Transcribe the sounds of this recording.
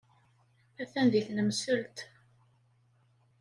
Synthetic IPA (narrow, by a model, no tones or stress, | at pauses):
æθænðiθnəmsəlt̪